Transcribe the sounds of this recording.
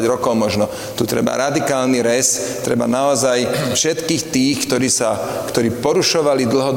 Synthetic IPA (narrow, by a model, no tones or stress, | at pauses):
ɟɾɔkɔʊmɔʒnɔ | t̪ut̪ɾɛ̰ba̰ɾad̪ikaːlniɾɛs | t̪ɾɛ̰ba̰naɔzajfʃɛt̪kiːxt̪iːxkt̪ɔɾiːsakt̪ɔɾiːpɔɾuʃɔʋalid̪l̩ɦɔd̪